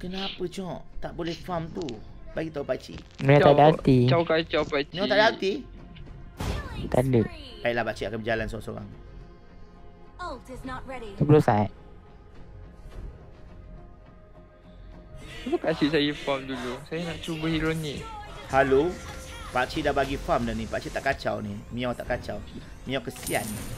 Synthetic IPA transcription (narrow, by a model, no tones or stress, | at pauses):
kənapət͡ʃɔʔt̪aʔbolɛhfamt̪ubaɡit̪aupaʔt͡ʃḭ | maadat̪it͡ʃawkat͡ʃawpat͡ʃnõt̪adaat̪i | t̪aləʔpaiʔlahbaʔt͡ʃiakanbəd͡ʒalansoãso̰ɾa̰ŋ | oɪsnɔt̚ɹɛɾiublosaʔ | iməkasisajəfamdulusajanaʔt͡ʃubəhiɾonikhalopaʔt͡ʃidabaɡifamdanibaʔt͡ʃit̪aʔkat͡ʃawnimĩawt̪aʔkat͡ʃaw | mĩawkəsia̰nːi